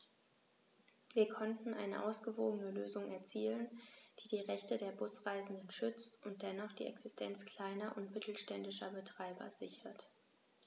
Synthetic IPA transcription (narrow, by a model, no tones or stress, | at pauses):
viːɐkʰɔntn̩ʔa̰ɪnə̰ʔa̰ʊsɡ̥əvoːɡənəløːzʊŋɛɐt͡siːlənd̥iːdiːʁɛçtədeːɐbʊsʁ̥aɪzn̩dənʃʏt͡stʊnt̚d̥ɛnɔχd̥ḭːʔɛ̰ksɪstʰɛnt͡skl̥aɪnɐʔʊntmɪtl̩ʃtɛndɪʃɐbətʁ̥aɪbɐ̰zɪçɐt